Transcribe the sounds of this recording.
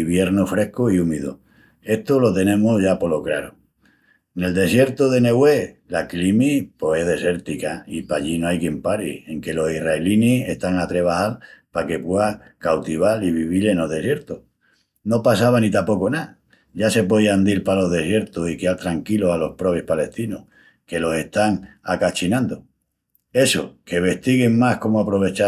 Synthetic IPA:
iβje̞ɾnofɾe̞hkoiumiðo̰ | e̞ht̪olo̞t̪e̞nẽ̞moʝapo̞lokɾa̰ɾo | ne̞ld̪e̞sje̞ɾt̪oðe̞ne̞ɣwe̞laklimipoe̞ðe̞se̞ɾt̪ikaipaʎinoajkje̞mpaɾḭe̞ŋke̞lo̞siraelinie̞ht̪aŋat̪ɾe̞β̞ahalpake̞pweakawt̪iβ̞aliβiβileno̞ðe̞sje̞ɾt̪o | no̞pasaβanit̪apo̞kona | ʝase̞poðiand̪ilpalo̞ɦðe̞sje̞ɾt̪osikealt̪ɾaŋkilo̞alo̞hpɾo̞βehpale̞st̪inoh | ke̞lo̞se̞ht̪aŋakat͡ʃinãnd̪o | e̞soke̞βe̞ht̪iɣeŋmahko̞moapɾo̞β̞e̞t͡ʃa

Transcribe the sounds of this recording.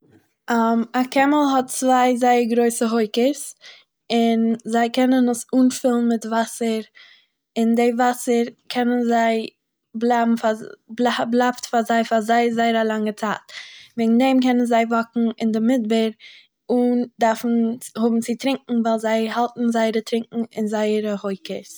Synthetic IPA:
amakɛməlˠɦɔt̚t͡svaɪzaɪəɾɡɾoɪsəɦoɪkəs | ɪnzaɪkɛnənəsuːnfɪlˠn̩mɪtvasəɾ | ɪndɪvasəɾkʰɛnənzaɪ | blabm̩fabblˠaftfazaɪfazaɪzaɪəɾalˠaŋət͡sa̰ːtvɛɡŋ̩dɛmkɛnənzaɪvɔkŋ̩ɪndɪmɪd̚bəɾ | ʊndaɾfn̩hʊbm̩t͡sɪtɾɪŋkŋ̩vaɪlˠzaɪhalˠtn̩zaɪəɾətɾɪŋkŋ̩ɪnzaɪəɾəhoɪkəs

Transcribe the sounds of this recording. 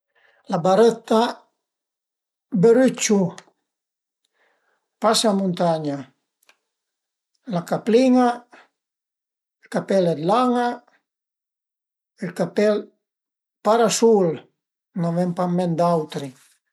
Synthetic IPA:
labaɾət̪a | beɾyt͡ʃu | pasamunt̪aɲa | lakapliŋa | ilkapɛlɛd̪laŋa | ilkapɛl | paɾasul | navɛmpamːɛnd̪awt̪ɾi

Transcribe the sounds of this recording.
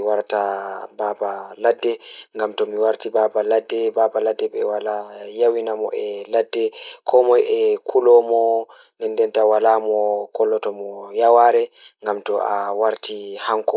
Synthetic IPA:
waɾtababaladːɛŋɡamtɔmiwaɾtibaːbaladːɛbabaladːɛɓɛwalajawinamɔ̰ʔɛladːɛkʰɔmɔjɛkʰulɔmɔ | nɛndɛntawalaːmɔkɔlːɔtɔmɔjawaɾɛŋɡamtɔʔawaɾtihaŋkɔ

